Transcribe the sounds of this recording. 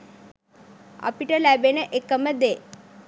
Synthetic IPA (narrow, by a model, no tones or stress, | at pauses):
a̰piʈəlæbenəʔekəməd̪e